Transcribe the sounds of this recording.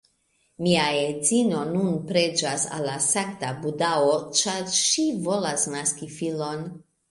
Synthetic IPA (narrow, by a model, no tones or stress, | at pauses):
miaed͡zino̞nunpɾe̞d͡ʒasa̰lːasaŋktabudao̞t͡ʃaɾʃivo̞lasnaskifilo̞n